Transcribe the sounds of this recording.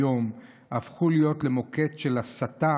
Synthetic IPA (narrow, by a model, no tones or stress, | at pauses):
o̞m | afχulijo̞tle̞mo̞ke̞tʃe̞lasata